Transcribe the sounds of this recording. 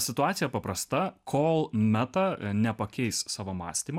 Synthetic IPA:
sʲɪt̪ʊɑːt̪sʲɪjɛpɐpɾɐst̪ɐkʰoːlˠmʲæt̪ɐnʲɛpɐkʲɛɪssɑːʋomɑ̰ːsʲt̪ʲiːmɐ

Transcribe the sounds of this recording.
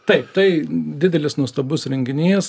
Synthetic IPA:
t̪ɐɪp̚t̪ɐɪd̪ʲɪdʲɛlʲɪsnuɔst̪ɐbʊsɾʲɛŋʲɡʲɪnʲiːs

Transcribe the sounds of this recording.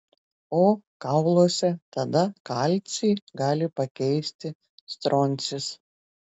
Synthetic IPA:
oːkɑʊlˠoːsʲɛt̪ɐd̪ɐkɑːlʲt̪sʲiɡɑːlʲɪpɐkʲɛɪsʲt̪ʲɪ | st̪ɾɔnʲt̪sʲɪs

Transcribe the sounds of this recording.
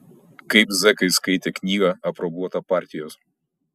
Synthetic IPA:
kɐɪpzʲɛkɐɪskɐɪt̪ʲeknʲiːɡɐɐpɾɔbuɔt̪ɐpɑˑɾʲt̪ʲɪjoːs

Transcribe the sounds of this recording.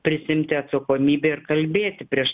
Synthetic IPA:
pʲɾʲɪsʲɪɪmʲt̪ʲɪɐt̪sɐkoːmʲiːbʲeːɪrkɐlʲbʲeːt̪ʲɪpʲɾʲiɛʃ

